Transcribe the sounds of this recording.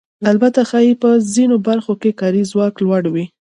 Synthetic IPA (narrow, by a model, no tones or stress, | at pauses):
albat̪axɑipəzinobaɾxokekɑɾizwɑklwaɽwi